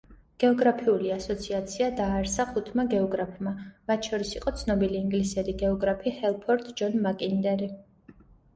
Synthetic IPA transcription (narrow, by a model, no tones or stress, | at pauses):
ɡ̥ɛɔɡɾapʰiuliasɔt̪sʰiat̪sʰiad̪aːɾsaχut̪ʰmaɡɛɔɡɾapʰmamat̪ʰʃɔɾisiqʼɔt̪sʰnɔbiliːŋɡlisɛɾiɡɛɔɡɾapʰihɛlˠpʰɔɾt̪ʰʼd͡ʒɔnmakʼind̪ɛɾi